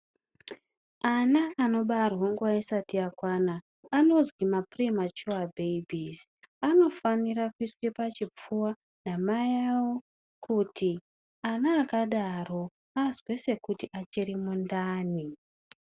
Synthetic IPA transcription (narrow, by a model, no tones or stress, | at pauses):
anaːno̞ɓarwaŋɡuʋaisatiakwanaː | no̞zwimaprimat͡ʃuabʱeibʱis | ano̞fanirakuiswe̞pat͡ʃip͡fuwa | namajawo̞ | kuti | anaːkaɗaro̞ | azwe̞se̞kutiʔat͡ʃirimundaːni